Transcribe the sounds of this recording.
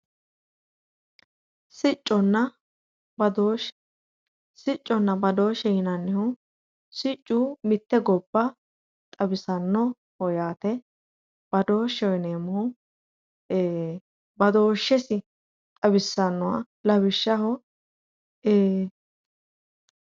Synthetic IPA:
sɪt͡ʃʼːɔnːɐ | d̪o | sɪt͡ʃʼːɔnːɐbɐd̪o̞ːʃɛːnɐnːɪhʊ | sɪt͡ʃʼːuːmɪt̪ːɛɡɔbːɐ | t̪ʼɐbɪsɐnːɔ | hɔjaːt̪ɛ | b̥ɐd̪o̞ːʃɔjneːmɔʊ | eː | bɐd̪o̞ːʃːɛsɪ | t̪ʼɐbɪsːɐnːɔwa̰ | lɐbɪʃːɐhɔ | eː

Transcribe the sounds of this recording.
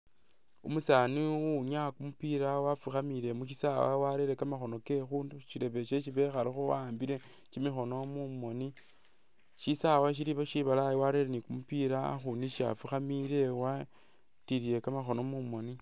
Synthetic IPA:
umusaniuɲakumupiɾawafuxamiɾe̞muʃ̬isawa̰waɾeɾekamaxo̞no̞ke̞xuːnduʃiɾe̞βe̞ʃeʃ̬iβe̞xaɾexowaːmbiɾe̞ | ʃimixo̞no̞mumo̞ni | ʃisawaʃ̬iɾiβaʃiβalajiwaɾeɾenikumupiɾa̰xuniʃa̰fuxamiɾe̞wa | tiɾije̞kamaxo̞nomumo̞ni

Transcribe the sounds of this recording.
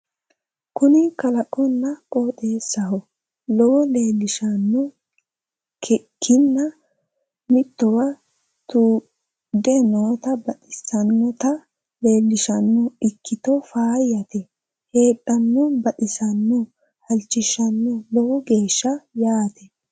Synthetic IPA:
kʊnɪkɐlɐkʼːɔnːɐkʼoːt̪ʼeːsːɐɦɔ | lɔwle̞ːlːɪʃɐnːʊ | kɛkʰːɪnːɐ | mɪt̪ːɔwɐ | t̪u | d̪ɛnoːt̪ɐbɐᶑɪsɐnːɔt̪ɐ | le̞ːlːɪʃɐnːɔɪkːɪt̪ɔfaːjɐt̪ɛ | he̞ːɗːɐnːɔbɐᶑɪsɐnːɔ | hɐlt͡ʃːɪʃɐnːɔlɔwɔɡe̞ːʃːɐjaːt̪ɛ

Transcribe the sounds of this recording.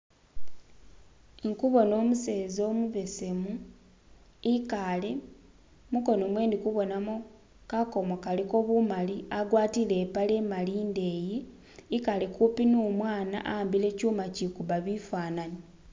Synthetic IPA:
ŋkuβo̞no̞ːmuse̞ːzoːmuβe̞se̞mu | ikale | muko̞nomwe̞ːndikuβo̞namo | kako̞mokaliko̞βumaliaɡwaːtile̞ːpale̞ːmaliːnde̞ːje | ikale̞kupinuːmwaːna̰ʔambile̞ːcuːmacikuβaβifaːnani

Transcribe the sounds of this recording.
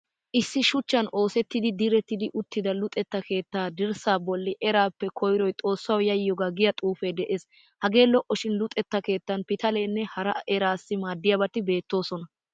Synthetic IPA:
ʔɪsːɪʃʊt͡ʃːɐno̞ːsɛt̪ːɪd̪ɪd̪ɪɾɛt̪ːɪd̪ɪʔʊt̪ːɪd̪ɐlʊt̪ʼːɛt̪ːɐke̞ːt̪ːaːd̪ɪɾsaːbɔlːɪʔɛɾaːpːɛkʰɔjɾɔjt̪ʼo̞ːsːɐwjɐjːɔɡaːɡɪjɐt̪ʼuːfed̪ɛʔeːs | hɐɡe̞ːlɔʔːɔʃɪnlʊt̪ʼːɛt̪ːɐke̞ːt̪ːɐnpɪt̪ɐleːnːɛhɐɾɐɛɾaːsːɪmaːd̪ːɪjɐbɐt̪ːɪbe̞ːt̪ːo̞ːsɔnɐ

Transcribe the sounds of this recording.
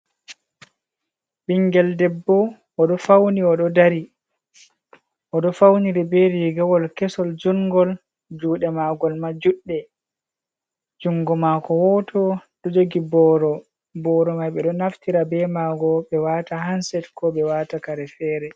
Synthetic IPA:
ɓiŋɡɛldɛbːɔ | ɔɗɔfawniɔɗɔdaɾi | ʔɔɗɔfawniɾɛbeɾiɡawɔlkɛsɔld͡ʒuŋɡɔl | d͡ʒuːɗɛmaɡɔlmad͡ʒuɗːɛ | d͡ʒuŋɡɔmakɔwɔtʰɔɗɔd͡ʒoɡibɔɾɔ | bɔɾɔmajɓɛɗɔnaftiɾabɛmaɡɔɓɛwaːtaɦansɛtkɔɓɛwatakaɾɛfɛɾɛ

